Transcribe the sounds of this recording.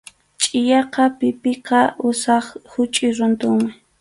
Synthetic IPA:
t͡ʃʼɪjɑqɑpɪpɪqɑʔʊsɑχhʊt͡ʃʼɪɾʊnt̪ʊŋmɪ

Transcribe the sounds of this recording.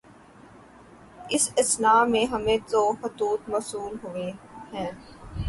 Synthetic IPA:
ɪsɐsnaːmẽɦɐmẽt̪oxʊt̪uːt̪mɐsuːlɦoʋeɦɛ̃ː

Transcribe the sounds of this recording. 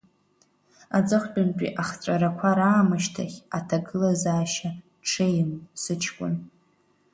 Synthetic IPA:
ad͡zʼɨχʷt͡pʼʊnpʼḭʔaχt͡sʷʼaɾakʷʰaɾaːmɨʃtʰaχʲatʰaɡɨlazaːʃa | ʈ͡ʂʰejmsɨt͡ʃʰkʷʼʊ̰n

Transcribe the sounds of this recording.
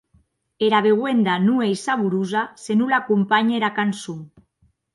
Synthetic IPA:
eɾaβeɣwend̪anuejsaβuɾuzasenulakumpaɲeɾakansuŋ

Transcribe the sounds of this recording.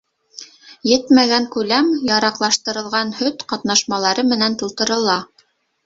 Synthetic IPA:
jɘt̪mæɡæŋkʉlæmjɑɾɑqlˠɑʃt̪ɤ̆ɾɤ̆lˠʁɑnhɵt̪qɑt̪nɑʃmɑlˠɑɾɤmɘ̆nænt̪ŏlˠt̪ɤ̆ɾɤ̆lˠɑ

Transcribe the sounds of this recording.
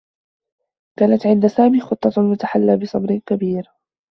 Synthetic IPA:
kaːnat̪ʕɪnd̪asaːmiːxʊt̪ˤːɑlmʊt̪aħalːaːbɪsˤɑbɾɪkabiːɾ

